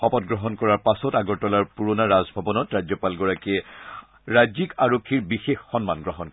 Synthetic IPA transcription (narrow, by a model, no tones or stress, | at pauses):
xɔpɔtɡɹɔɦɔnkɔɹaɹpasɔtaɡɔɹtɔlaɹpuɹonaɹazbʱabɔnɔtɹajd͡ʒzɔpalɡɔɹakiɛ | ɹajzikaɹokʰːiɹbixexːɔnmanɡɹɔɦɔnkɔ